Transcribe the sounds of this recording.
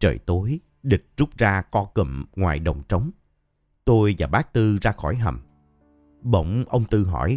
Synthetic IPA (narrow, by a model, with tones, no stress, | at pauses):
t͡ɕə̰ː˨˩jt̪o˨˦j | ɗɨ˨˩k̚zu˦˥k͡pp̚zaː˧kɔ˧kɨ̰˧˩mŋwaː˨˩jɗə˨˩wŋ͡mt͡ɕə˨˦wŋ͡m | t̪o˧jvaː˨˩ɓaː˦˥k̚t̪ɨ˧zaː˧xɔ˧˩jɦə̰˨˩m | ɓə̰˧˩˨wŋ͡mʔə˧wŋ͡mt̪ɨ˧ɦɔ̰˧˩j